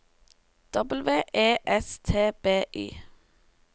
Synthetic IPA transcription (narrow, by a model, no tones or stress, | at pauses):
d̪̥ɔbəl̩ʋeːʔeːʔɛst̪ʰeːb̥eːʔḭː